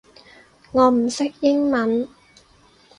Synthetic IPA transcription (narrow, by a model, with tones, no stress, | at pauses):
ŋɔː˨˧m̩˨˩sɪ˥k̚jɪ˥ŋmɐ˨˦˥n